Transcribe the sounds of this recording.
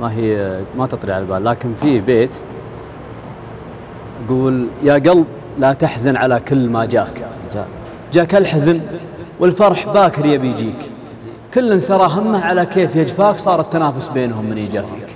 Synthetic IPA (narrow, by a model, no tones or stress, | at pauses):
maɦimat̪ɨt̪ˤliʕalbaːlːaːkɪnfibeːt̪ | ʔaɡuːljaɡɑlb̚ | lat̪aħzanʕalakʊlːmad͡ʒa̰ːkː | d͡ʒaːkalħazn | wɪlfɑɾˤħbaːkɪɾjabijd͡ʒiːk | kʊlːansɑɾˤɑɦamːaʕalakeːfjad͡ʒfaːksˤɑːɾˤɪt̪ːanaːfʊsbeːnhʊmːɪnʔid͡ʒaːfḭːk